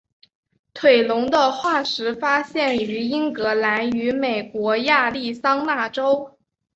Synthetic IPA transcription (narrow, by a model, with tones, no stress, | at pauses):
t̪ʰwe˨˩ɪlʊ˧˥ŋd̪ə˧xwa˥˩ʂɻ̩˧˥fa˥ɕjɛ˥˩ny˧˥i˥ŋkɤ˧˥la˧˥ny˧˥me˨˩ɪkwɔ˧˥ja˥˧li˥˩sɑ˥ŋna˥˩ʈ͡ʂo˥ʊ